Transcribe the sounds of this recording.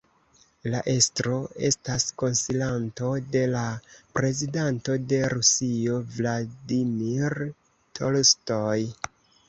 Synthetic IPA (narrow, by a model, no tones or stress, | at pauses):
laʔe̞stɾo̞e̞̰stasko̞nsilanto̞de̞lapɾe̞zidanto̞de̞ɾusio̞vladimiɾ | tʰolstoj